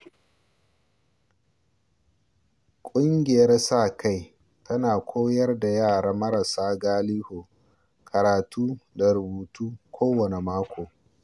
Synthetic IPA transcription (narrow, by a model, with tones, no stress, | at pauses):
kʷʼʊ˦ŋɡʲɪ˨jɐ˦rsaː˦˨kʰa˦˨j | tʰɐ˦naː˨kʷʰoː˦jɐ˦rda˨jaː˦˨ɽaː˦mɐ˦ɾɐ˨saː˦ɡaː˦liː˦hoː˨ | kʰɐ˨ɾaː˨tʰuː˦da˨ɾʊ˨buː˨tuː˦kʷʰoː˦wɐ˨ne˨maː˦kʷoː˨